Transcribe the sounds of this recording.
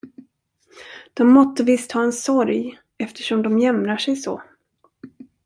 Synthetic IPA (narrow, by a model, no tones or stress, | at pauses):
d̪̥ɔmːɔt̪ːəvɪst̪hɑːɛnsɔɾj | ɛft̪ʰə̥ʂɔmd̪ɔmjɛmɾaʂɛjsɔ̰